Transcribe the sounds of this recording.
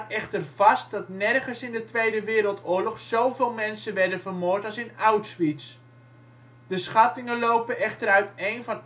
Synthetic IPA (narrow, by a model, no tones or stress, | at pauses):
ɛxtərv̥ɑst̚dɑtnɛrχəsɪndətʋejdəʋɪːɾəlˠtʊːəlɔxsowveːlˠmɛnsəʋɛrdənvərmoːɹtɑsɪnawtsʋis | dəsχɑtɪŋəlowpəɛxtəɾœɥtejnvɑn